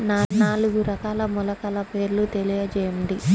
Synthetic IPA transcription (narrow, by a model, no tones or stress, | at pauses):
naːnaːluɡuɾɐkaːlɐmɔlɐkɐːlɐpeːɾlut̪elijɐd͡ʒɛːɐmd̪i